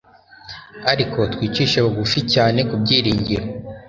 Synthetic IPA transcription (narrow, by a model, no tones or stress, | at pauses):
aɾikʰo̞twiːt͡ʃiːʃeβoɡuficaːne̞kub̚ɟiːɾiːɲɟiɾo